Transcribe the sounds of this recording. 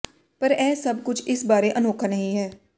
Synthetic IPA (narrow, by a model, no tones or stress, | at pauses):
pəɾɛːsəb̚kʊt͡ʃʰɪsbaːɾeʔənoːkʰanəɦĩɦɛː